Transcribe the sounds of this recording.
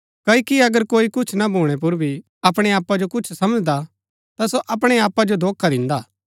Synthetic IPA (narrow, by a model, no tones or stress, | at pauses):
kɐikiɐɡəɾkoːikʊt͡ʃʰnabʱuːɽ̃ep̬ʊɾbʱi | ɐpɽ̃eaːpad͡ʒokʊt͡ʃʰsɐməd͡ʒd̪a | t̪asoʔɐpɽ̃eaːpːad͡ʒod̪ʱoːkʰːad̪ɪ̃nd̪aː